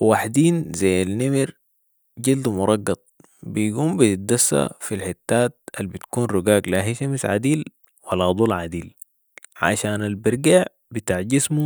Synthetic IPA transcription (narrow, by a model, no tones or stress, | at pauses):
waħd̪iːnzajːalnimiɾ | ɟild̪mʊɾˤɑɡːɑt̪̚ˤ | bijɡuːmbiit̪̚d̪asːa̰filħit̪ːaːt̪̚albit̪kuːnɾuɡaːɡlaɦiʃamisʕa̰d̪iːl | walːad̪ˤulʕad̪iːl | ʕa̰ʃaːnalbiɾˤɡaʕ | bit̪aːʕɟismu